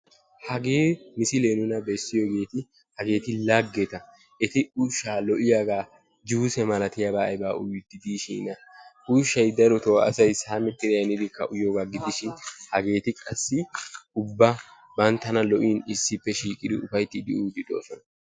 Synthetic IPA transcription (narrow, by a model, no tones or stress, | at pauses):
hɐɡe̞ːmɪsɪleːnʊnɐbɛsːɪjoɡe̞ːt̪ɪ | hɐɡe̞ːt̪ɪlɐɡːɛt̪ɐ | ʔɛt̪ɪʊʃaːlɔʔɪjaɡaː | d͡ʒuːsɛmɐlɐt̪ɪjabaːjbaːʔʊjd̪ɪd̪iːʃḭːnɐ | uʃɐjd̪ɐɾɔt̪oːɐ̰sɐjsaːmɛt̪ːɪɾɪjɐnɪd̪ɪkːɐʔʊjoɡɐɡɪd̪ɪʃɪnhɐɡe̞ːt̪ɪkʼɐsːɪʊbːɐ | bɐnt̪ːɐnɐlɔʔiːnɪsːɪpːɛʃiːkʼɪd̪ɪʊfɐjt̪ːɪd̪ɪʔuːd̪ɪᶑ̪o̰ːsɔnɐ